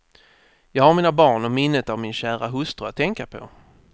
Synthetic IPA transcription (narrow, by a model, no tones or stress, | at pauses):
jɑːɡhaɾmiːnabɑːɳɔmɪnːət̪avmɪnɕæːɾaɦɵst̪ɾəat̪ʰːɛŋkapʰɔ̰